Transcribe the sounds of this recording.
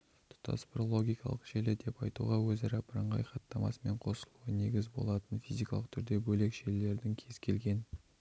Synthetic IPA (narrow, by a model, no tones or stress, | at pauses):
t̪ʰʊ̥t̪ɑ̰sbɾolˠo̞ɡʲijkɑ̰lˠəqʒ̥elɪd̪e̞pɑjt̪ṵʁɑwɵzɑɾɑpəɾəɴʁɑ̰jχɑt̪ːɑmɑ̰səme̞ɴqʰo̞səlˠuəne̞ɡʲɪzbo̞̰lˠɑt̪ənfizijkɑlˠəq̚t̪ʰʏɾd̪e̞bɵle̞kʃelːe̞ɾd̪ɪŋkʲʰe̞z̥kʲʰe̞̰lɡʲe̞n